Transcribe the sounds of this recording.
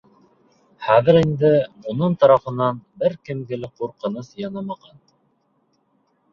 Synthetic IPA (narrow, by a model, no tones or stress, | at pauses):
χæðɘ̆ɾind̪ɘunɤɴt̪ɑɾɑfɤ̆nɑnbɘɾkɘ̆mɡɘ̆lɘquɾqɤ̆nɤsjɑnɑmɑʁɑn